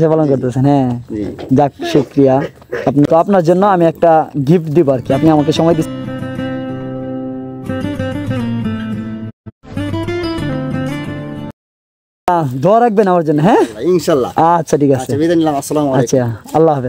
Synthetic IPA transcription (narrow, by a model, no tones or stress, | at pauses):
sebalɔnkoɾt̪esʰenɦɛ̃ | d͡ʒak̚ʃukɾija | apnit̪ɔapnaɾd͡ʑonːoamiɛk̚ʈaɡifd̪iboaɾkiapniamak̬eʃɔmɔjd̪is | ad̪ʱɔaɾak̚benamaɾd͡ʑonːɔɦɛ̃inʃalːa̰atːʃʰaʈʰikasebid̪anilamɐsːɐlamaːʃʰaɐlːaɦabe